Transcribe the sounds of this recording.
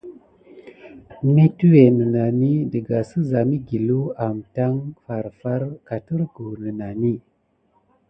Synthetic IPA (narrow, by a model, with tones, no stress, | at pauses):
mi˦tu˦we˨nə˨na˨ni˦də˨ɡa˨sə˦za˨mi˦ɡi˨lu˦a˨mta˦ŋfa˨ɾfa˦ɾka˨tə˦ɾɡu˨nə˨na˨ni˦